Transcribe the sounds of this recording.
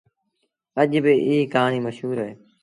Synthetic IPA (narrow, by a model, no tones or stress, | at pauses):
əʄbɪʔiːkãːniːməʃɦuːɾɦeː